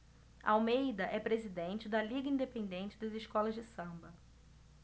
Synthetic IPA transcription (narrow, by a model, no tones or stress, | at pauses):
ɐ̰awmejd̪ɐʔɛpɾezid̪ẽnt͡ʃɪd̪ɐliɡɐĩnd̪epẽnd̪ẽnt͡ʃɪd̪ɐzɪʃkɔlɐzd͡ʒɪsɐ̃bɐ